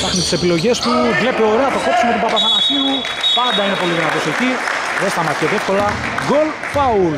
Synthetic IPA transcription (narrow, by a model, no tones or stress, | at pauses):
t̪ɐxnist̪isepilo̞ʝe̞st̪uvle̞pio̞ɾe̞ɐt̪ɐko̞psumeopɐpɐθɐnɐsiu | pɐnd̪ɐine̞po̞liðinɐt̪o̞se̞ci | ðest̪ɐmɐt̪i̥eðifko̞lɐ | ɡo̞l | pɐul